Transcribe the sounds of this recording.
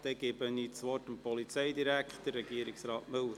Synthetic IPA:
d̪̥ɛɡɪbəniːt͡sʋɔtəmpɔlit͡sɛjdiɾækχtd̥ərɛɡiəɾɪksɾɑːtmɵw

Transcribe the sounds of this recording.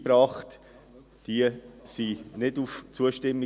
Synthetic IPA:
bɾɑːχt | d̥iəsinɪduft͡suəʃtɛmlɪ

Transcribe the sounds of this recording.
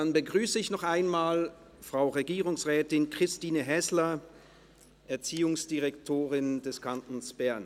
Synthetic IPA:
danbəɡʁyːsəɪçnɔχʔaɪnmaːl | fʁ̥aʊʁeɡiːʁʊŋsʁɛːtɪnkʁ̥ɪstiːnəɦɛslɐ | ʔɛɐt͡siːʊŋsd̥iʁɛktʰoːʁɪnd̥ɛskʰantn̩sb̥ɛɐn

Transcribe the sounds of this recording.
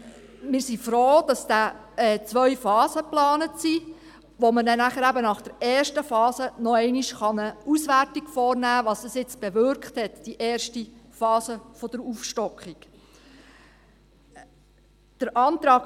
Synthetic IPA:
mɪːɾsifɾoːd̥ɑsd̥æ | ɛt͡sʋœʏfɑːzəplɑːnətsi | ʋomənɛnæχəɾæbənɑχd̥əɾɛːrʃtəfɑːsənɔɛɪniʃχɑnəusʋærtikfɔːrnæːʋɑːsəsɪt͡sb̥eʋʏɾkχthɛtd̥iʔɛːrʃtifɑːsəfɔd̥əɾuːfʃtɔkχik | d̥əɾʔɑːnt̪ɾɑːk

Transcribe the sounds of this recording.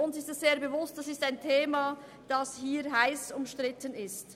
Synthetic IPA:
ʊnsɪstɛsz̥eːɐbevʊstd̥asɪstaɪntʰeːma | d̥ɑshiːɾɦaɪsʊmʃtʁɪtənɪst

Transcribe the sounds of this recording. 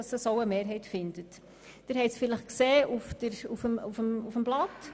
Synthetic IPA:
ɑsəsoʊəmeːɾɦɛɪtfɪnd̥ət | d̥ɪɾhɛɪsfɪləχkseːʔufd̥əɾufəmufəmufəmblɑt

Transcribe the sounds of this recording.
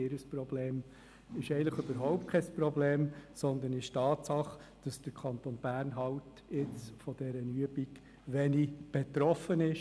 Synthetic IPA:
ɪɾəsprɔbleːm | ɪʃɛɪnləχøb̥əɾɦɔʊp̚t̚kʰɛsprɔbleːmsɔnd̪ənɪʃtɑːtsɑχ | d̥ɑsd̥əɾkʰɑnt̪onb̥æːɾnɦɑwt | ɪt͡sfɔd̥ɛɾənyəbik | ʋɛnib̥et̪ɾɔfənɪʃ

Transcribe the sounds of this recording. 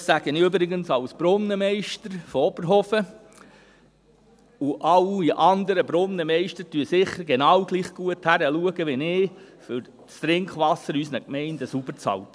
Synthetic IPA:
sæɡ̥ənɪʏbɾɪɡənsɑwsb̥ɾʊnːəmɛɪʃtəɾfɔɔb̥əɾɦɔfə | uʔɑwiʔɑnd̪əɾəbɾʊnːəmɛɪʃtəɾtyəsɪχːəɾɡenɑwɡliːχɡ̥uəthæɾəluəɡəʋɛnɪːfʏɾ | t͡st̪ɾɪŋkχʋɑsːəɾysnəkmɛɪndəsub̥əɾt͡sɑ̰lt̪

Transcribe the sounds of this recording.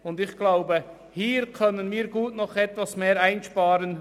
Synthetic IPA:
ʊndɪçɡ̥laʊbə | hiːɾkʰœnənmiːɾɡuːtnɔχɛtvasmeːɾaɪnʃpaːɾən

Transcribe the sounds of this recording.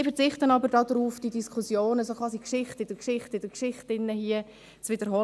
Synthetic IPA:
fəɾt͡sɪχtənɑbəɾdɑːdɾuːfd̥idiskʰusjoːnəsokʰʁʋɑːsikʃɪχtɪd̥əkʃɪχtəɪd̥əkʃɪχtɪnːəhiə | t͡svɪdəɾɦɔ

